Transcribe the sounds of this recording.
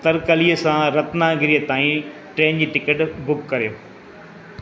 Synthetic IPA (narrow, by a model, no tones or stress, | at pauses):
t̪ɐɾkɐliːəsãɾɐt̪naːɡɪɾiːət̪aːĩʈɾeːnd͡ʑiːʈɪkəʈbʊkːɐɾijoː